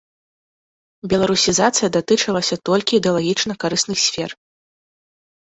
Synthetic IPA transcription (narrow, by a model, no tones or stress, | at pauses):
bʲɛlˠaɾusʲizat̪sɨjɐd̪at̪ɨt͡ʂɐlˠɐsʲɐt̪ɔlʲkʲiːd̪ɛɐlˠaɣʲit͡ʂnɐkaɾɨsnɨxsʲfʲɛr